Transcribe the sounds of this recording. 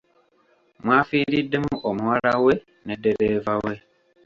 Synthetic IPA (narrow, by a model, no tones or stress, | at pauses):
mwaːfiːɾidːe̞muʔomuwaɾawe | nedeɾeːvawe